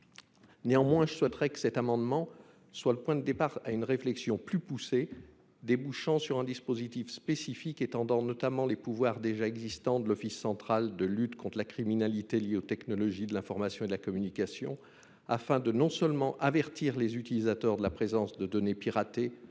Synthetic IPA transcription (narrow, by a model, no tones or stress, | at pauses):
neɑ̃mwɛ̃ʒəswɛt̪ʁɛkə̥sɛt̪amɑ̃d̪mɑ̃ | swaləpwɛ̃d̪əd̪epaʁaynʁeflɛksjɔ̃plypuse | d̪ebuʃɑ̃syʁɛ̃d̪ispozit̪ifspesifiket̪ɑ̃d̪ɑ̃nɔt̪amɑ̃lepuvwaʁd̪eʒaɛɡzist̪ɑ̃d̪əlɔfisːɑ̃t̪χald̪əlyt̪kɔ̃t̪χlakχiminalit̪eljeot̪ɛknɔlɔʒid̪əlɛ̃fɔʁmasjɔ̃ed̪əlakɔmynikasjɔ̰̃ | afɛ̃d̪ənɔ̃sœlmɑ̃ʔavɛʁt̪iʁlezyt̪ilizat̪œʁd̪əlapχezɑ̃sd̪əd̪ɔnepiʁat̪e